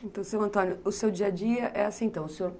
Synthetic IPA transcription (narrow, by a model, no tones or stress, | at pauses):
ẽnt̪ɐ̃w̃sɐ̃w̃ɐ̃nt̪õnjʊʊsewd͡ʒiɐd͡ʒiɐʔɛasĩẽnt̪ɐ̃w̃ʊseoɾ